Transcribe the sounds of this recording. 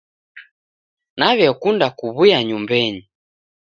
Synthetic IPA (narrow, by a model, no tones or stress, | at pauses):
naβjɛkundakuβujaɲumbɛɲi